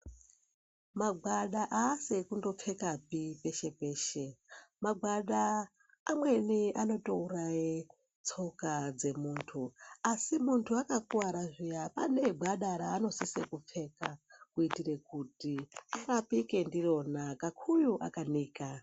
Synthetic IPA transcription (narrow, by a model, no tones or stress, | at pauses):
maɡwaɗaʔaːsekundo̞p͡fe̞kapipe̞ʃe̞peːʃemaɡʱwaɗaː | mwe̞niano̞tourai | t͡sʰo̞kad͡ze̞muːntʰuasimuntʰuakakuwaɾaʐijapa̰ne̞ɡʱaɗaɾaːno̞sisekup͡fe̞ːkakuitire̞kutiaɾapike̞ndiro̞nakakʰujuʔa̰kaniːka